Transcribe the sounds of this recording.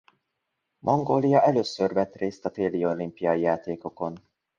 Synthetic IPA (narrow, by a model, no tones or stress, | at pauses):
mʔoŋɡoːlijɒʔɛløːsørvɛt̪reːst̪ɒt̪eːlijolimpijɒijaːt̪eːko̞ko̞n